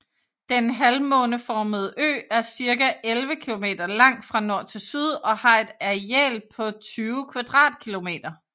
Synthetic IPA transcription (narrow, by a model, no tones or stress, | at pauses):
d̥enɦælmɔ̽ːnəfɒːməð̩ˠʔø̰ːæɐsiɐɡæʔelʋəkʰilo̝me̝̰ːd̥ɐlɑ̈ŋ̰d̥fʁɑ̈nɒɐ̰t͡sʰe̝lsyð̞ˠɒ̽hɑ̈e̝d̥æɛ̰ːlpʰɒ̽t͡sʰyːʊkʰʋɑd̥ʁɑ̰̈ːd̥̚kʰilo̝me̝̰ːd̥ɐ